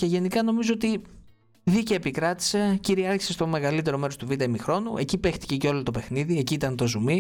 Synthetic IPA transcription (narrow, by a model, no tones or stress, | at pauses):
ce̞ʝe̞nikɐno̞mizoot̪i | ðicɐepikɾɐt̪i̥se̞ciɾiɐɾçi̥sest̪o̞me̞ɣɐlit̪e̞ɾo̞me̞ɾo̞st̪uvit̪̬ɐimixɾo̞nuʔe̞̰cipe̞xt̪i̥ce̞ceo̞lot̪o̞pe̞xniðieciːt̪ɐnt̪o̞zumi